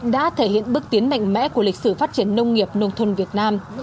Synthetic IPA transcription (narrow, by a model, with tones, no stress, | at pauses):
ɗa̰ː˧˥t̪ʰe˧˩hḭ˧˨ənɓɨ˦˥ək̚t̪i˨˦ənma̰˧˨jŋ̟mɛ̰˧˥ku˧˩əli˨˩k̟̚sɨ˧˩faː˦˥t̚t͡ɕi˧˩ənːə˧wŋ͡mŋi˨˩əp̚nə˧wŋ͡mt̪ʰə˧nvi˨˩ət̚naː˧m